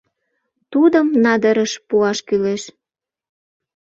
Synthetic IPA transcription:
t̪ud̪əmnɑd̪əɾəʃpuɑʃkyleʃ

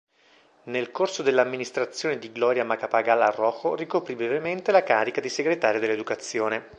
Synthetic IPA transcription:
nelkorsod̪elːamːinist̪ɾat̪sːjoːned̪iɡlɔɾjamakapaɡalːarːɔxorikopɾibɾevement̪elakaːɾikad̪iseɡɾet̪aːɾjod̪elːed̪ukat̪sːjoːne

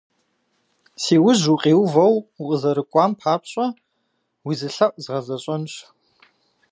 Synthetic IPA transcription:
siːwʊʑuqʼeːwvɐwuqʼəzɐɾɨkʷʼɑːmpʰaːpʰɕʼɐ | wizɨɬɐʔʷʼzʁɐzɐɕʼɐnɕ

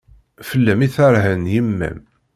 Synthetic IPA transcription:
fəlːæmiθaɾɦənjəmːæ̰m

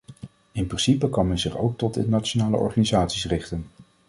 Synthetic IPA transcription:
ɪnprɪnsipəkɑnmɛnzɪχo̰wk̚tɔtɪ̰ntnat͡ʃonaːlə̰ʔɔ̰ɹχaːnizaːtsisrɪχtən

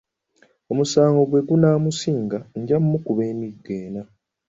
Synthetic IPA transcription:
o̞musaːŋɡo̞ɡwe̞ɡunaːmusiːŋɡaɲɟamːukuβeːmiɡːe̞ːna

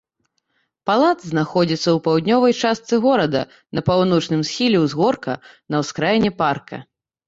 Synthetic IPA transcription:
palˠad̪zznaxɔd͡zʲit̪sːɐwpawd̪ʲnʲɔvɐjt͡ʂast̪sɨɣɔɾɐd̪ɐ̰ | nɐpawnɔt͡ʂnɨmsxʲilʲɛwzɣɔrkɐ | nɐwskɾajnʲɛparkʰɐ̰

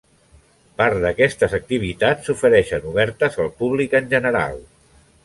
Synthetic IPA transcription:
paɾðəkɛst̪əzək̚t̪iβ̞it̪at͡ssufəɾɛʃənuβɛɾt̪əzəlˠpuβlikənʲʒənəɾa̰lˠ

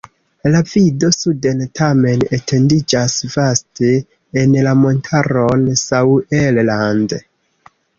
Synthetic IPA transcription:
lavido̞sudentʰame̞netʰe̞ndid͡ʒasvasteː | nlamo̞ntʰaɾo̞nsawelland

